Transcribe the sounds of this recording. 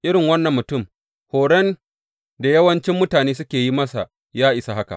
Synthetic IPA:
ʔɪ˦ɾɪ˨ŋwɐ˦nːɐ˨mːʊ˨tʊ˦˨m | hoː˨ɽɛ˦n | da˨jɐ˦wɐ˦nt͡ʃɪ˦mːʊ˦taː˨neː˦sʊ˦kʲeː˨ji˦mɐ˦sa˨ | jaː˦ʔɪ˨sa˨ha˦ka̰˨

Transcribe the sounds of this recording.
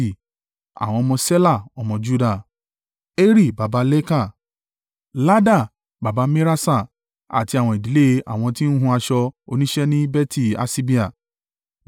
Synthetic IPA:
a̰˨w̃ɔ̃˧ɔ˧mɔ̃˧se˦la˦˨ɔ˧mɔ̃˧d͡ʒu˦da˦˨ | e˦ɾi˦˨ba˨ba˧˦lɛ˦ka˦˨ | la˦da˦˨ | ba˨ba˨˧me˦ɾa˦sa˦˨ | a̰˨ti˧˦a˨w̃ɔ̃˧i˨di˨le˦˧a̰˨w̃ɔ̃˧tĩ˦ñ̩˦ɦũ˧˦a˧ʃɔ˧o˧nĩ˦ʃɛ˦nĩ˦bɛ˦ti˦˨a̰˨si˦bi˦a˨

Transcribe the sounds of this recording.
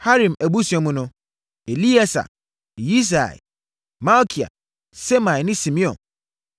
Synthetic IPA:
ha˦ɾĩ˨mæ˨bu˦sɛ˨˦mũ˦nʊ̃˦ | e˨li˦a˦sa̰˨ | ji˦s̬a̰˨ɛ̰˨ | ma˦lkʰi˨a̰˨ | se˦mã˨nɪ̃˦sĩ˨mĩ˦ɔ̰̃˨n

